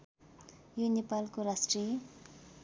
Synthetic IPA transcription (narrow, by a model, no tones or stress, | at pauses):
junepalkoɾasʈri